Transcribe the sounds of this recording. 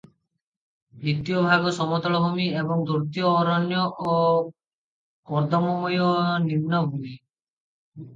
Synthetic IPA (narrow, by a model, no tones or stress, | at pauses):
nit̪ijɔbʱaɡɔsɔmɔt̪ɔɭɔbʱumiebɔŋd̪uɾt̪iɔːɾɔnjɔʔo | pɔɾd̪ɔmɔmɔjɔnimnɔbʱumi